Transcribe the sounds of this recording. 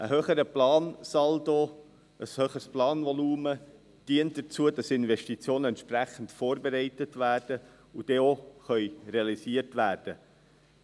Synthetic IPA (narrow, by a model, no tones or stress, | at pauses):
ʔəɦøχəɾəplɑːnsɑldo | əshøːχəsplɑːnʋɔluːmə | d̥iənt̚d̥ət͡suədɑsɪnvɛʃtit͡sjoːnəɛntʃpræχən̩tfoːɾbeɾɛɪtətvæːrd̥ə | ud̥ɛoχœʏreɑlisiətvæːrd̥ə